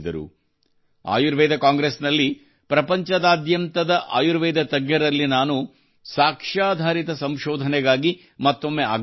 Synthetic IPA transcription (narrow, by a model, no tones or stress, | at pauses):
d̪ɐɾṵ | a̰ːjuɾʋɛːd̪ʱɐkaːŋɡɾesnɐlːi | pɾɐpɐɲt͡ʃɐd̪aːd̪jɐmt̪ɐd̪ɐʔa̰ːjuɾʋɛːd̪ɐt̪ɐɡjɐɾɐlːinaːnu | saːkʂaːd̪ʱaːɾit̪ɐsɐmʃɔːd̪ʱɐnɛɡaːɡi | mɐt̪ːo̞mːeaːɡ